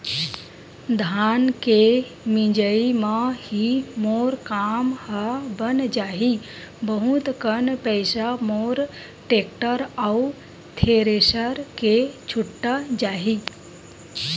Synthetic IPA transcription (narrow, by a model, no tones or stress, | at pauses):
d̪ʱaaːnke | mĩd͡ʒəimahimoːɾkaːmhabənd͡ʒaːɦi | bəɦut̪kənpəjsamoɾ | ʈek̚ʈəɾau | t̪ʰeɾeɕəɾket͡ʃʰuʈːəd͡ʒaːɦi